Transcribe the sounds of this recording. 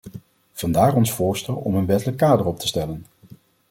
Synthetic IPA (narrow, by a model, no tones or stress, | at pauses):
v̥ɑndaːrɔnsfʊːɹstɛlˠɔ̰mənʋɛtələkːaːdəɹɔp̚tə̥stɛlən